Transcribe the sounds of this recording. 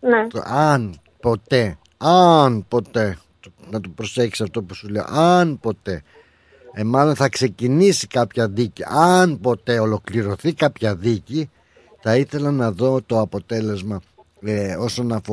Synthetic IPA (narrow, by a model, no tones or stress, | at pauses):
neɐn | po̞t̪e̞ | ɐnpo̞t̪e̞ | nɐt̪opɾo̞se̞ksɐft̪o̞pusule̞o̰ʔɐnpo̞t̪e̞ | emɐlonθɐkse̞cinisi̥kɐpçɐðiciɐnpo̞t̪e̞o̞lo̞kliɾo̞θikɐpçɐðici | θɐiθe̞lɐnɐðo̞t̪o̞ɐpo̞t̪e̞le̞zmɐ | o̞so̞nɐfo